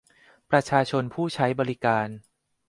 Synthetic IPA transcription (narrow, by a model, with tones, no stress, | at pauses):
pɾa˧t͡ɕʰaː˧t͡ɕʰo˧npʰuː˥˩t͡ɕʰa˦˥jbɔː˧ɾi˦˥kaː˧n